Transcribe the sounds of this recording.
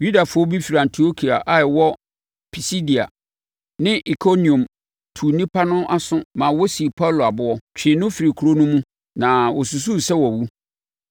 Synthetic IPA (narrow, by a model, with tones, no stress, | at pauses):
ju˦da˨fʊ˦ɔ˦bi˦fi˨ɾa˨ã˨ntʰi˨o˦kʰi˨a˨ʔa˨ɪ˨wɔ˦ | pʰi˨si˦di˨a̰˨ | nɪ̃˦ʔi˨kʰo˦nĩ˨ɔ̃˨m | tʰu˨nĩ˦pʰa˦nʊ̃˦ʔa˦sʊ̃˦mã˨wɔ˦si˨pʰa˦˨lo˨a˨bʊ˦ɔ˦t͡ɕᶣʰɪ̃˨nʊ̃˦fi˨ɾi˨kʰu˨ɾo˦nʊ̃˦mũ˦ | nã˨wɔ˨su˨s̬u˦˨sɛ˦wɔ˨wu˦